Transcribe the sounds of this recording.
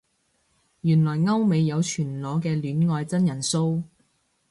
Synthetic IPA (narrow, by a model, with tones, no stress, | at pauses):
jyː˨˩nlɔː˨˩jŋɐ˥wme˨˧jːɐ˨˧wt͡ʃʰyː˨˩nlɔː˨˥kɛː˧lyː˨˥nŋɔː˧jt͡sɐ˥njɐ˨˩nso˥w